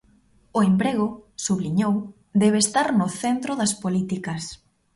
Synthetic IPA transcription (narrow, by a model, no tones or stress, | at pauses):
ʊembɾeɣ̞ʊsuβliɲow | d̪ɛβ̞eːst̪aɾnʊθent̪ɾʊðɐspolit̪ikɐs